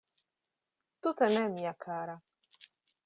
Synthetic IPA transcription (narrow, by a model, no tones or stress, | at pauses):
t̪ut̪anɛmijakʰaːɾa